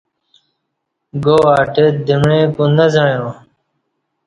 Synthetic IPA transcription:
ɡoːaːʈed̪ʱɪmɳẽːkunəzəɳjõː

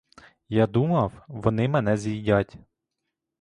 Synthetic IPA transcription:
jad̪umɐwʋɔnɪmɛnɛzʲijdʲatʲ

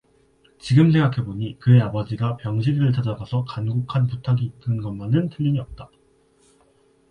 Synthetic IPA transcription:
t͡ɕiɡɯmsʰe̞ŋɡakʰe̞boɲikɯe̞abʌd͡ʑiɡapjʌŋɕʰidiɾɯɭt͡ɕʰad͡ʑaɡasʰʌkanɡokʰanputʰaɡiːtɯnɡʌnmanɯntʰɯʎːiɲiʌp̚t͈a

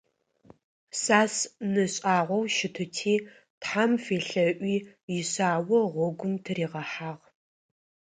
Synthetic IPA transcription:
saːsnɨɕʼaːʁʷɔwʃɪtʰɨtʰiː | tħamfeːɬɐʔʷiːjɪɕaːwɔʁʷɔɡʷʊmtʰɨriːʁɐħaːʁ

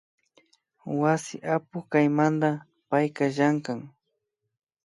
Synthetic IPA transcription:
wasɪ̰ʔapʊkajmand̪a | pajkaʒaŋkaŋ

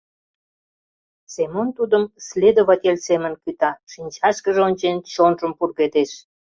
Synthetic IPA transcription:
semont̪ud̪əmslʲed̪oβɑt̪ʲelʲsemə̆nkyt̪ɑʃinʲt͡ɕɑʃkəʒeonʲt͡ɕent͡ɕonʒəmpurɣet̪eʃ

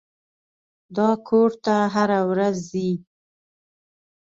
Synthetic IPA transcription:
d̪ɑkʰoɾt̪aɦaɾawɾazːi

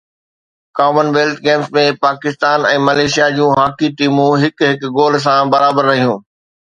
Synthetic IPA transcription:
kaːmənʋeːlʈ̪ɡeːmsmẽpaːkɪst̪aːnɛ̃ːmɐleːʃijad͡ʑũːɦaːkiʈiːmũɦɪkɦɪkɡoːl̤̆s̬ãbɐɾaːbəɾːɐɦijũː

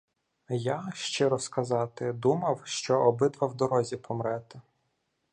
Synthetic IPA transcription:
jaʃt͡ʃɪɾɔskɐzɑt̪ɪd̪umɐwʃt͡ʃɔɔbɪd̪ʋɐwd̪ɔɾɔzʲipʰɔmɾɛt̪ɪ

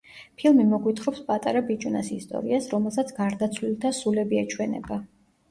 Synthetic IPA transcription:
pʰilˠmimɔɡwit̪ʰχɾɔpspʼat̪ʼaɾabit͡ʃʼuna̰sist̪ʼɔ̰ɾiasɾɔmɛlˠsat̪sʰɡ̥aɾd̪at̪sʰlilˠt̪ʰasulɛbiat͡ʃʰwɛnɛ̰ba

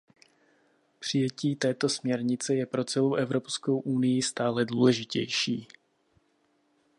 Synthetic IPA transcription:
pr̝̥ɪjɛciːt̪ɛːt̪o̞smɲɛɾɲɪt͡sɛjɛpɾo̞t͡sɛlo̞wʔɛvɾo̞psko̞wʔunɪjɪst̪aːlɛduːlɛʒɪcɛ̰jʃḭː

